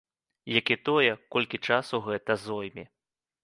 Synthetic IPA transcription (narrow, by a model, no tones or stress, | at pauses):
jakʲit̪ɔjɛkɔlʲkʲit͡ʂasuɣɛt̪ɐzɔjmʲi